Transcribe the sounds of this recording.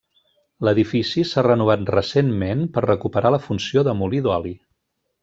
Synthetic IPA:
ləðifisisarənuβ̞at̪rəsenmenpərrəkupəɾaləfunsioðəmuliðɔli

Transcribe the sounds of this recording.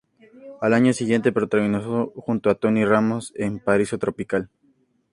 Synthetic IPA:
alaɲo̞siɣje̞nt̪epɾot̪aɣinasoxunt̪oat̪o̞niramo̞sempaɾisot̪ɾo̞pikal

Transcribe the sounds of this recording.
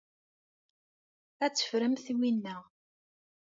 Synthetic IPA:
æt͡sːə̥fɾəmθiwinːəʁ

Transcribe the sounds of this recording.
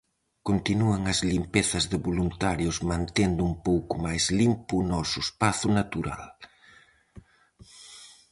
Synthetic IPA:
kont̪inuɐŋɐzlimpeθɐzðɪβolunt̪aɾjʊsmãnt̪end̪uumpowkʊmajzlimpʊnɔsʊespaθʊnat̪uɾa̰l

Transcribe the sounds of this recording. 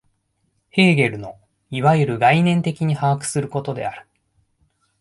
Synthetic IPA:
he̞ːɡe̞ɾɯ̟no̞ | iβajɯɾɯ̟ɡainẽ̞nt̪e̞kʲiɲ̟ihaakɯ̥sɨɾɯ̟ko̞t̪o̞d̪e̞̰aɾɯ̟

